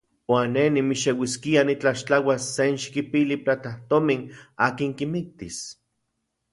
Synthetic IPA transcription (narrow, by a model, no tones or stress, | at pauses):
waːnːenimiʃewiskianit͡ɬaʃt͡ɬawasːenʃi̥kipiliplat̪aht̪ominaːkiŋkimik̚t̪is